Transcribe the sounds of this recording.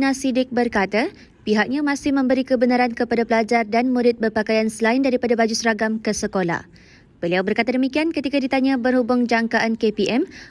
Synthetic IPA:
nãsidɪk̚bərkat̪a | piɦak̚ɲãmãsɪhmə̃mbəɾikəbənaɾankəpadapəlad͡ʒardanmuɾɪt̪̚bərpakajansəlaɪndaɾipadabad͡ʒusəɾaɡamkəsəkola̰h | b̥əliawbərkat̪adəmĩkiankət̪ikadit̪aɲãbərhubʊŋd͡ʒaŋkaʔankepiʔɛm

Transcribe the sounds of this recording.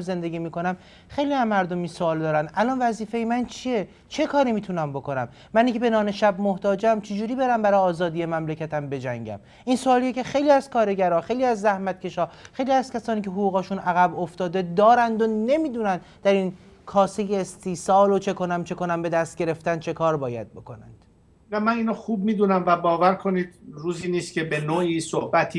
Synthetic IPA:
ze̞nd̪e̞ɡiːmiːko̞næm | χejliæmːæɾd̪ominsoɒːld̪ɒːɾænd̪ʔælɒnvæziːfejemænt͡ʃʰije̞ | t͡ʃʰe̞kʰɒːɾimiːt̪ʰunæmbo̞ko̞næmːæniŋcʰebe̞nɒːneʃæbmoht̪ɒːd͡ʒeæmt͡ʃʰed͡ʒuːɾiːbe̞ɾæmbæɾɒjɒːzɒːd̪ijemæmlecæt̪ʰæmbe̞d͡ʒæ̰ŋɟæ̰m | insoɒːlijecʲe̞xe̞jliːæzkʰɒːɾe̞ɟæɾɒːχe̞jliːæzːæhmæt̪̚cʰʲe̞ʃɒːxe̞jliːæz̥cʲʰæsɒːniːcʰeɦoɣuːɣɒːʃunʔæɣæboft̪ɒːd̪e̞d̪ɒːɾænd̪one̞miːd̪uːnænd̪ | d̪æɾin | kʰɒːsejeːst̪iːsɒːlot͡ʃʰe̞ko̞næmt͡ʃʰe̞ko̞næmbe̞d̪æst̪̚ɟe̞ɾeft̪ænt͡ʃʰe̞kʰɒːɾbɒːjæ̰d̪̚bo̞kʰonænd̪̥ | æmæniːnoxuːb̚miːd̪uːnæmvæbɒːvæɾkʰo̞niːd̪ɾuːziːniːst̪kʲʰe̞benoːiːsohbæt̪ʰi

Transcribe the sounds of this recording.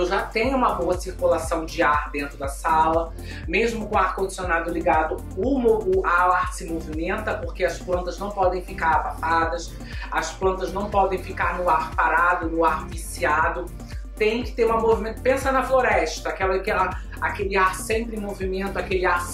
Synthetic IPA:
ewʒat̪ẽɲʊũmɐboɐsiɾkulasɐ̃w̃d͡ʒɪaɾd̪ẽnt̪ɾʊd̪ɐsalɐ | meʒmʊkʊ̃w̃aɾkõd͡ʒisionad̪ʊliɡad̪ʊ | ʊmoʊaaɾsɪmovimẽnt̪ɐpoɾkeɐsplɐ̃nt̪ɐznɐ̃w̃pɔd̪ẽj̃fikaɾabãfad̪ɐs | ɐsplɐ̃nt̪ɐznɐ̃w̃pɔd̪ẽj̃fikaɾnʊaɾpaɾad̪ʊnʊaɾvisiad̪ʊ | t̪ẽj̃kɪ̥t̪eɾũmɐmovimẽnt̪ʊ̥pẽsɐnɐfloɾɛʃt̪ɐːkɛlɐkɛlɐ | akelɪaɾsẽj̃pɾɪ̃movimẽnt̪ʊakelɪaɾ

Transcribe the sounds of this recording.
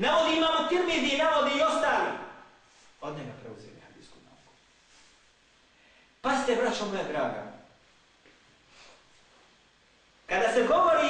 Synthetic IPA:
naʋod̪iimamot̪əɾmiziːnaʋod̪iːo̞st̪aːlḭ | od̪ɲeɡapɾeuzḛlḭhad̪ḭːskuna̰uko̥ | past̪ebɾat͡ʃamojad̪ɾaːɡa̰ | kad̪aseɡoʋoɾi

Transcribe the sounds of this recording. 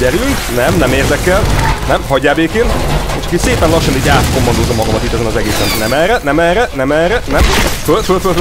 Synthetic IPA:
ɛɾylt̪nɛmnɛmeːrd̪ɛkɛlnɛmhɒɟːaːbeːkeːneʃɒkiseːpɛnlɒʃːɒniːɟaːt̪ko̞mːɒnd̪oːzːɒmːɒɡɒmɒt̪it̪ːɛzɛnɒzɛɡeːsɛnnɛmɛːrɛnɛmɛːrɛnɛmɛːrɛnɛmfølfølt̪føl

